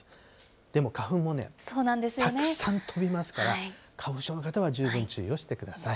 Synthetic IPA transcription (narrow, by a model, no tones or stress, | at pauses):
d̪̥e̞mo̞kaɸɯ̟̃mːo̞ne̞̰soːnãnd̪esɨj̪oaneɯsãnt̪ʰo̞bʲimasɨ̥kaɾakʰaɯ̟ɕo̞ːno̞kat̪aβaʑɨːbɯ̟̃ɲt͡ɕɨio̞ɕi̥t̪e̞kɯ̟d̪asai